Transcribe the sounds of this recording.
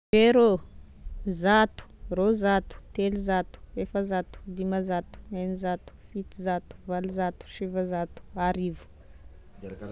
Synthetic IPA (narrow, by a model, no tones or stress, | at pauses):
veɾo | zat̪u̥rozat̪u̥t̪eluzat̪u̥efəzat̪u̥d̪imazat̪u̥enizat̪u̥fit̪izat̪u̥valuzat̪u̥ʃivəzat̪u̥aɾivu̥